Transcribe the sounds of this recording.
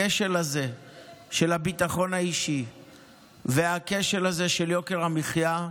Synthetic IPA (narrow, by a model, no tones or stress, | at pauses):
eʃelaze | ʃe̞labit̪aχo̞naiʃi | veake̞ʃelaze̞ʃeljo̞ke̞ʁamiχja